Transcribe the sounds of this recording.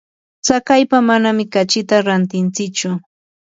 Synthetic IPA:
t͡sakajpamanamɪkat͡ʃɪt̪aɾant̪ɪnt͡sɪkt͡ʃʊ

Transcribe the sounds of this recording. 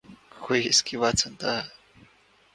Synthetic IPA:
xʰʷieskiβat͡sʰant̪a

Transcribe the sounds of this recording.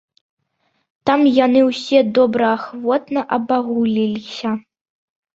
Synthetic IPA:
t̪amjanɨwsʲɛd̪ɔbɾɐːxvɔt̪nɐʔɐbaɣulʲilʲisʲɐ

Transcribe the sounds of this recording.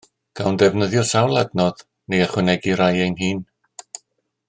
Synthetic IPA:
ɡ̥awndɛvnəðjɔsawlˠadnɔð | neaχwɛnɛɡiɾajejnhiːn

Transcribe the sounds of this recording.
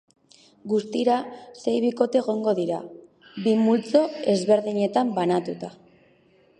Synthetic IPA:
ɡust̪iɾase̞jβiko̞t̪e̞ːɣ̞o̞ŋɡo̞ðiɾa̰ | bimult͡so̞e̞zβe̞ɾðiɲe̞t̪ambanat̪ut̪a

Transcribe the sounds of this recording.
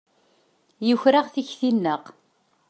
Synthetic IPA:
jʊçɾaʁθiçθinːəʁ

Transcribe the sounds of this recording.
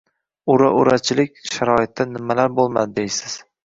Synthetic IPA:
ʊɾaʔʊɾat͡ʃʰɪlɪkʲʃaɾɒɪt̪ːanɪmalaɾbolˠma̰d̪ɪd̪ejsɪz̥

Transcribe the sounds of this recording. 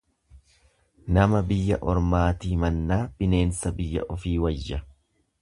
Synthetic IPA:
nɐmɐbɪjːɐʔɔɾmaːt̪iːmɐnːaːb̥ɪne̞ːnsɐbɪjːɐ̰ʔɔfiːwɐjːɐ

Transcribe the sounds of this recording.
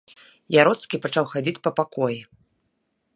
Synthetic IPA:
jaɾɔt̪skʲipat͡ʂawxad͡zʲit͡sʲpɐpakɔji

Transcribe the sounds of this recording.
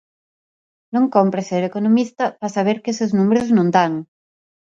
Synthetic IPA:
nõŋkompɾeseɾekonomist̪ɐpasaβ̞eɾkeseznumeɾoznõnd̪aŋ

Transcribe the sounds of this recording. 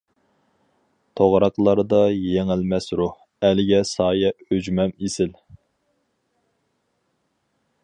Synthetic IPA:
t̪ʰoʁɾɑqlˠɑɾd̪ɑjeŋɪlmɛsɾuh | ælɪɡʲɛsɑːjɛød͡ʒmɛmesɪl

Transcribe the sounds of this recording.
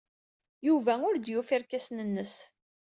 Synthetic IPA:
juvæʊɾd̪jufiɾkæsnənːəs

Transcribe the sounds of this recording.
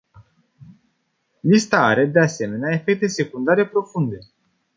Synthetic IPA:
list̪aaɾe̞d̪e̞ase̞me̞neae̞fe̞k̚t̪e̞se̞kund̪aɾe̞pɾo̞fund̪e̞

